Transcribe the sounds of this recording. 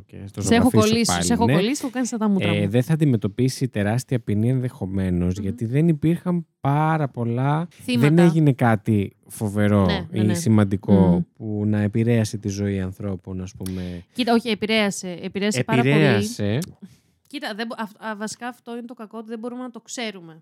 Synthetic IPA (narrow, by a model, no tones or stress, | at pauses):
oḛst̪osoeɾɐxofiolispɐ̰lexoneolisi̥kɐnist̪ɐt̪ɐmut̪ɐðenθɐːnd̪ime̞t̪o̞pisit̪e̞ɾɐst̪iɐpinie̞nðe̞xo̞me̞no̞zʝɐt̪iðe̞nipiɾxɐmpɐɾɐpo̞lɐθimðeneʝine̞kɐt̪i | fo̞ve̞ɾo̞isimɐnd̪iko̞punɐepiɾe̞ɐset̪izo̞iɐnθɾo̞po̞nɐspume̞cit̪ɐoçiepiɾeɐseːpiɾeɐsepɐɾɐɾelɐse̞ | cit̪ɐðebɐfvɐsi̥kɐːft̪o̞inet̪okɐko̞ot̪iðebo̞ɾumenɐt̪o̞kse̞ɾume̞